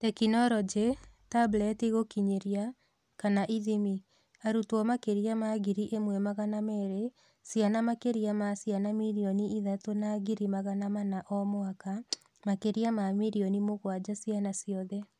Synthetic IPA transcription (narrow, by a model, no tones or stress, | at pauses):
tɛkinɔɾɔd͡ʒetablɛtiɣokiɲeɾia | kanaʔiðimi | aɾutwɔmakeɾiamaɣiɾiʔemwɛmaɣanamɛɾe | sjanamakeɾiamasjanamiɾiɔniiðatonaɣiɾimaɣanamanaʔɔmoaka | makeɾiamamiɾiɔnimoɣwad͡ʑasjanasiɔðɛ